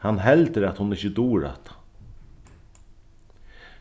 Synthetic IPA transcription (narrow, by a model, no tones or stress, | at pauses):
hanɦɛlt̪əɾat̪hʊnɪçəd̪uːɾa̰t̪